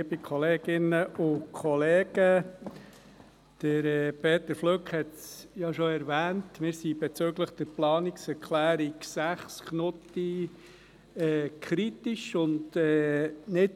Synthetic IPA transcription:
liəbikʰɔleːɡɪnəʔʊkʰɔleːɡ̥ə | d̥əɾɛpʰeːt̪əɾfløkhɛt̪sjɑʃɔɛɾvæːntmɪːɾsibɛt͡søɡləχd̥̪əɾplɑːniksɛɾkʰlæːɾiksæχsknʊti | ɛːkʰɾitiʃʊndɛːnɪt

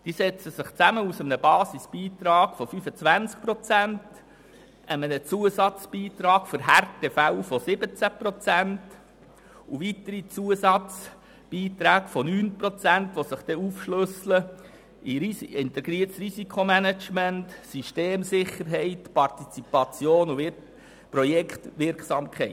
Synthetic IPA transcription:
d̥isɛt͡səsɪχt͡sæməusəmənəbɑːsisb̥iːt̪ɾɑːɡ̥fɔfyfət͡svænt͡sk̚pɾɔt͡sænt | ʔəmənət͡suəsɑt͡sb̥iːt̪ɾɑːɡ̥fɔɾɦærtefæʊfɔsɪbət͡sæpɾot͡sænt | uʋit̪əɾit͡suəsɑt͡s | b̥iːt̪ɾæːɡ̥fɔnyːnpɾot͡sæntʋosəχd̥̪ɛufʃløslə | iɾisɪnt̪ɛɡɾiətsrisikʰomænæt͡ʃmɛntsiʃteːmsɪχːəɾɦɛɪtpɑrtit͡sipɑt͡sjoːnuɪ | pɾɔjɛkt̪ʋɪɾksɑmkʰɛɪ

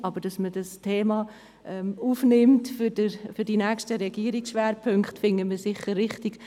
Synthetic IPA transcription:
ʔɑbəɾd̥ɑsmədɑstʰeːmɑ | ʔɛmuːfnɪmtfʏdəfʏɾdinɛːkʃtəɾɛɡ̥iəɾiksʃʋɛːɾpʰɵŋkχtfɪŋəməsɪχːəɾrɪχtɪɡ̥

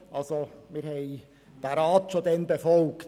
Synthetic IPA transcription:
ʔɑlsomɪːɾhɛɪ | d̪̥æɾɑːt̪ʃod̪ɛnbefɔlkt

